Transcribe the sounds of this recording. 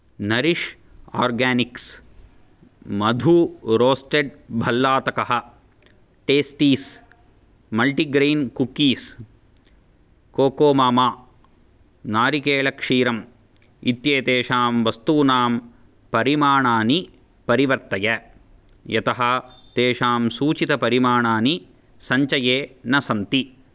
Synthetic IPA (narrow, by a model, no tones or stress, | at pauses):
nɐɾiʂ | aːɾɡaːniks | mɐd̪ʱuɾoːsʈeɖbʱɐlːaːt̪ɐkɐɦɐ̆ | ʈeːsʈiːs | mɐlʈiɡɾeːnkukːiːs | koːkoːmaːmaː | naːɾikeːlɐkʂiːɾɐm | it̪jeːt̪eːʂaːmʋɐst̪uːnaːm | pɐɾimaːɳaːni | pɐɾiʋɐɾt̪ɐjɐ | jɐt̪ɐɦɐt̪eːʂaːmsuːt͡ʃit̪ɐpɐɾimaːɳaːni | sɐɲt͡ʃɐjeːnɐsɐnt̪i